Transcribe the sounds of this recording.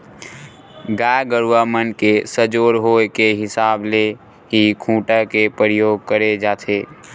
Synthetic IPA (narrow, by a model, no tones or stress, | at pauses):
ɡajɡəɾwaːmənkesəd͡ʒoːɾɦoːekeɦɪsaːble | ɦikʰũːʈakepəɾjoːɡ̚kəɾed͡ʒaːt̪ʰeː